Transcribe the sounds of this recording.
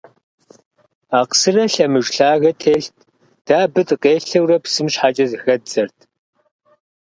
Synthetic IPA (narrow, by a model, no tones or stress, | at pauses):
aːqsɨrɐɬɐmɨʒʼɬaːɣɐtʰeːɬt̚ʰ | d̥aːbɨtʼqeːɬɐwrɐpsɨmɕħat͡ʃʼɐzɨxɐd͡zɐrtʰ